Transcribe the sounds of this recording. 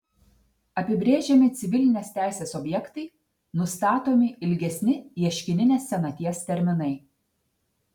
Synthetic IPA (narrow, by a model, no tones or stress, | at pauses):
ɐpʲɪbʲɾʲeːʒʲɛmʲɪt̪sʲɪʋʲɪlʲɪnʲeːst̪ʲæˑɪsʲeːsɔbʲjɛkt̪ɐɪ | nʊst̪ɑːt̪oːmʲɪɪlʲɡʲɛsʲnʲɪiɛʃʲkʲɪnʲɪnʲeːsːʲɛnɐt̪ʲiɛst̪ʲɛɾʲmʲɪnɐɪ